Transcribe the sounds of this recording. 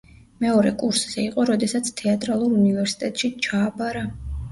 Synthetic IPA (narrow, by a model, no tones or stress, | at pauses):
mɛɔɾɛkʼuɾsz̥ɛiqʼɔɾɔd̪ɛsat̪sʰt̪ʰɛat̪ʼɾalˠuɾunivɛɾsi̥t̪ʼɛt̪ʼʃit͡ʃʰaːbaɾa